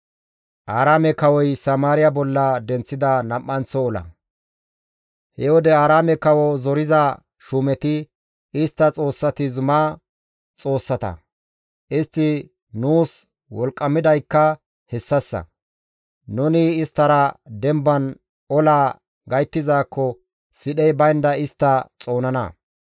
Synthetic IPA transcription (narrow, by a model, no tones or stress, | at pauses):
ʔaːɾaːmɛkɐwɔjsɐmaːɾɪjɐbɔlːɐd̪ɛnt͡sːɪd̪ɐnɐʔːɐnt͡sːɔːlɐ̰ | hɛwɔd̪ɛaːɾaːmɛkɐwɔzɔɾɪzɐ | ʃumɛt̪ɪ | ɪst̪ːɐt͡sʼo̞ːsːɐt̪ɪzʊma | t͡sʼo̞ːsːɐt̪ɐ̰ | ʔɪst̪ːɪ | nuːs | wɔlkʼːɐmɪd̪ɐjkːɐ | hɛsːɐsːɐ̰ | nʊnɪɪst̪ːɐɾɐd̪ɛmbɐn | ɔlaː | ɡɐjt̪ːɪzaːkːɔ | sɪɗɛjbɐjnd̪ɐɪst̪ːɐt͡sʼo̞ːnɐnɐ̰